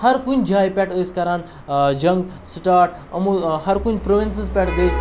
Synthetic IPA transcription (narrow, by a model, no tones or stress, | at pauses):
hɐɾkund͡ʒʱaːjpʲɛːʈəːskɐɾaːn | d͡ʒɐ̃ŋɡ | sʈaːʈ | ɐmuhɐɾkunpɾoʋensispʲɛːʈd̪ə